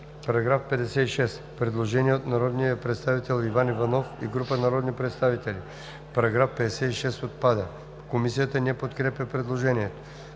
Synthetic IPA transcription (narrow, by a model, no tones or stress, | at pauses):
pɐɾɐɡɾafpɛd̪ɛsɛiʃɛspɾɛd̪lˠoʒɛniɛot̪naɾɔd̪niəpɾɛt̪st̪avit̪ɛlˠivanivɐnɔfḭɡɾupənaɾɔd̪nipɾɛt̪st̪avit̪ɛli | pɐɾɐɡɾafpɛd̪ɛsɛiʃɛst̪ot̪̚pad̪ə | komisijət̪ənɛpot̪kɾɛpʲəpɾɛd̪lˠoʒɛniɛt̪o̥